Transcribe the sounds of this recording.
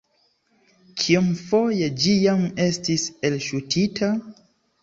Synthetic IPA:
kʰiumfo̞jed͡ʒijame̞stise̞lʃutʰitʰa

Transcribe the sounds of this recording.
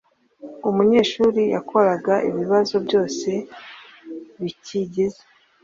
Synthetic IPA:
umuɲe̞ːʃuːɾija̰kʰo̞ɾaɡaʔḭβiβazo̞bɟo̞ːse̞ | βiciɟize̥

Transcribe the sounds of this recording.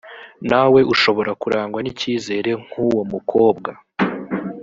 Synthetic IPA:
nawe̞ʔuʃo̞βo̞ɾakuɾaːŋɡwaniciːze̞ːɾe̞ŋ̥huwomukʰo̞ːbɡa

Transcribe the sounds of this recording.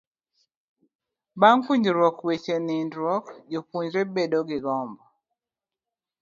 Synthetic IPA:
baŋkuɲd͡ʒɾwɔkwet͡ʃenindɾwɔkd͡ʒokuɲd͡ʒɾebedoɡɪɡɔmbɔ

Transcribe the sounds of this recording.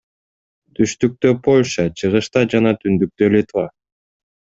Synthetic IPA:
t̪ʰyʃt̪yk̚t̪øpʰo̞lʲʃɑt͡ʃʰɯʁɯʃt̪ɑd͡ʒɑnɑt̪ʰynd̪yk̚t̪ølʲit̪va

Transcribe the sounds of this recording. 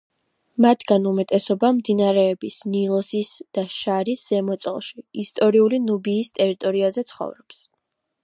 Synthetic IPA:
mat̪ʰɡ̥anumɛt̪ʼɛsɔbamd̪inaɾɛːbisnilˠɔsisd̪̥aʃaɾisz̥ɛmɔt̪sʼɛ̰lˠʃiːst̪ʼɔɾiulinubiːst̪ʼɛɾit̪ʼɔɾiazɛt̪sʰχɔ̰vɾɔps

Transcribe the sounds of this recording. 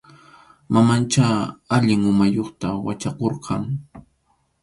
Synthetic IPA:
mamant͡ʃaaʎɪŋʊmajoχt̪awat͡ʃaqoɾqʰɑŋ

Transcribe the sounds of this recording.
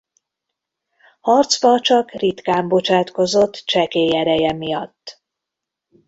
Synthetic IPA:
hɒrt̪zbɒt͡ʃɒkrit̪kaːmbo̞t͡ʃaːt̪ko̞zo̞t̪ːt͡ʃɛkeːjɛɾɛjɛmijɒt̪ː

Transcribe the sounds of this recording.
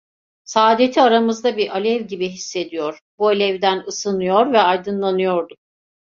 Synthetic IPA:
saːd̪e̞t̪ʰiaɾamɯzd̪abiɾʔalʲɛvɟibiɦisːe̞d̪ijoɾ̥bualʲɛvd̪ænɯsɯnɯjo̞ɾvɛajd̪ɯnlˠanɯjo̞ɾd̪u

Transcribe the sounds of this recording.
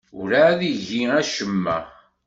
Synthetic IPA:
ʊɾaðiʝiæʃəmːæ̰

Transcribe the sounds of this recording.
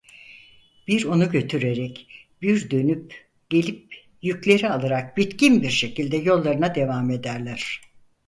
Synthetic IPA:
b̥iɾo̞nuɟø̞t̪ʰyɾeɾɛc | biɾd̪ø̞nyp | ɟ̥e̞lʲip̚ | jyclʲe̞ɾialˠaɾak̚bit̪cinbiɾʃe̞cilʲd̪ɛjo̞lˠːaɾɯnad̪e̞vame̞d̪æɾlʲæɾ̝̥

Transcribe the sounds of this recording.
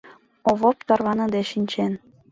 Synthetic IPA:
oβop̚t̪ɑrβɑnɤ̆d̪eʃinʲt͡ɕen

